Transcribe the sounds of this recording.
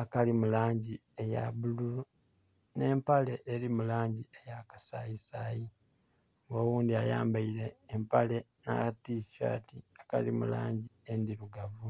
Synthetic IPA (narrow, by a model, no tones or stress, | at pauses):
akalimulaːɲɟieja̰βululune̞ːmpale̞ʔeɾimulaːɲɟiejakḁsajisaji | ŋɡoːwuːndiaja̰ːmbaiɾe̞ːmpale̞na̰tifa̰ːtiaka̰limṵla̰ːɲɟiendiɾuɡavu